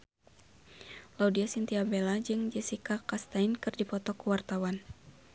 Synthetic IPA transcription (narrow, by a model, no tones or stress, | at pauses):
laudiasint̪iabelad͡ʒɨŋd͡ʒɛsikakast̪ainkɨrdipɔt̪ɔkuwart̪awan